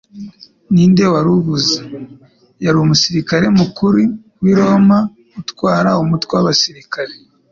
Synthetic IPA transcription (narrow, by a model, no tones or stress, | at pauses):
niːnde̞waɾuβuze | jaɾuumusiɾikaɾe̞mukuɾi | wiɾo̞ma | utkwaːɾaumutwewaβasiɾikaɾe